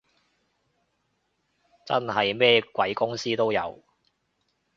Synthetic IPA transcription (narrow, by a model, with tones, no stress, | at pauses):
t͡sɐ̰˥nɦɐ˨jmɛː˥kwɐ˨˥jkʊ˥ŋsiː˥t̪o˥wjɐ̰˨˧w